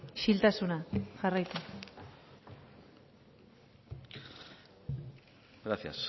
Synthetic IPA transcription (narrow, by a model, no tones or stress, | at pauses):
ʃilt̪asunaʝarajt̪u | ɡɾasia̰s